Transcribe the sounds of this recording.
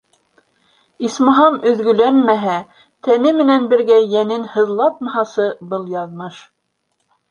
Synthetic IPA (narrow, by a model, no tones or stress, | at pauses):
ismɑ̆ɦɑmɵ̆ðɡɵ̆lænmæɦæ | t̪ʰænɘmɘ̆nænbɘ̆ɾɡæjænɘnhɤ̆ðlˠɑt̪̚mɑhɑsɤbɤlˠjɑðmɤʃ